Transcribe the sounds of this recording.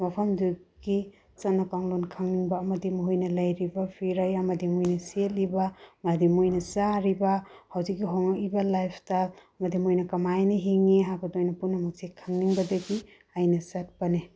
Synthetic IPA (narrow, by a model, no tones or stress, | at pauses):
mɐpʰɐmduɡi | t͡ʃanakaŋlonkʰaŋniŋbaːmɐdimuɦojnɐlajɾibapʰiɾajɐmɐdimujnɐselibamadimojnɐsaɾibahawzik̚ːiɦoŋak̚ibalajpʰtal | mɐdimojnɐkɐmajnɐɦiŋiɦakɐdojnɐpunːɐmɐk̚sikʰaŋniŋbɐdɐɡi | ajnɐsat̚pɐne